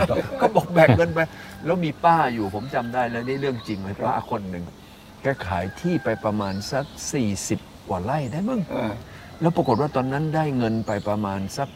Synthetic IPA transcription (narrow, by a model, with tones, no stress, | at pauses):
kʰɔː˥˩bɔː˨˩k̚bɛː˨˩kŋɤ˧npa˧jlɛː˦˥wmiː˧paː˥˩juː˨˩pʰo˩˦mt͡ɕa˧mdaː˥˩jlɛː˦˥wda˥˩˨lɾɯ˥˩əŋt͡ɕi˧ŋla˧˥˩aː˥˩˧kʰo˧nːɯ˨˩ŋ | kɛː˧˩kʰaː˩˦jt̪ʰiː˥˩pa˧jpɾa˧maː˧nsa˦˥k̚siː˨˩si˨˩p̚kwaː˨˩la˥˩jdaː˥˩jmɯ˧˩ŋ | lɛː˦˥˩pɾa˨˧ko˨˩t̪̚waː˥˩t̪ɔː˧nːa˦˥ndaː˥˩jŋɤ˧npa˧jpɾa˧maː˧nsa˦˥k̚